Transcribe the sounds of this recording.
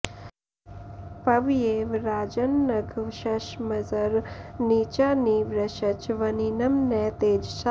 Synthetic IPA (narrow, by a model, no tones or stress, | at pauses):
pɐʋijeːʋɾaːd͡ʒənːɐɡʱʋʃɐʃmɐzəɾniːt͡ʃaniːʋɾɐʃɐt͡ʃʋɐninɐmnɛːt̪eːd͡ʒsa